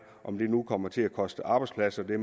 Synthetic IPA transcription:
ʔɒ̽md̥e̝nukʰɒ̽m̰ɐt͡sʰe̝ækʰɒ̽sd̥əʔɑ̈ːb̥ɑ̈ɪdspʰlæsɐd̥e̝

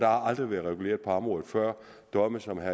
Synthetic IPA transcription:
d̥ɑ̈hɑ̈ɑ̈ld̥ʁiʋæːɐðˠʁɛɡ̥ule̝̰ːɐ̥pʰɒ̽ɑmʁɔ̽ːðð̩ˠfɶɐ̰ | d̥ɒ̽məsɒ̽mɦæ

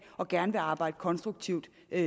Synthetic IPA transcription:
ɒ̽ɡ̥æɐnəʋe̝ɑ̈ːb̥ɑ̈ɪ̰d̥əkʰɒ̽nsd̥ʁuɡ̥̚t͡sʰiʊd̥

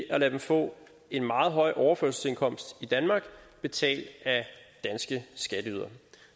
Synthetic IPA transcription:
ʔælæd̥emfɔ̰̽ː | e̝nmɑ̈ːð̞̩ˠɦɒ̽ɪ̰ʔɒʊɐføɐsl̩se̝nkʰɒ̽m̰sd̥id̥ænmɑ̈ːɡ̥b̥e̝t͡sʰɛ̰ːld̥æd̥ænsɡ̥əsɡ̥æɾ̥əyð̞ˠɐ

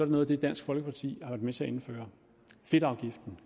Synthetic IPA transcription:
sɒ̽ɐɾno̽ːðˠd̥ed̥æn̰sɡ̥fɒ̽lɡ̥əpʰɑ̈t͡sʰḭːhɑʋæɐd̥met͡sʰe̝æe̝nfø̰ːɐ | fe̝d̥ɑ̈ʊɡ̥ifd̥n̩

